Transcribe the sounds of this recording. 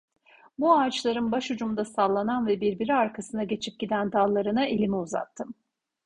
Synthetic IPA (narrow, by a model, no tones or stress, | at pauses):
buaːt͡ʃlˠaɾɯnbaʃud͡ʒumd̪asalˠːananvɛbiɾbiɾiaɾkʰasɯnaɟe̞t͡ʃʰip̚ɟ̥id̪ænd̪alˠːaɾɯnaʔilʲimiuza̰t̪ʰːɯm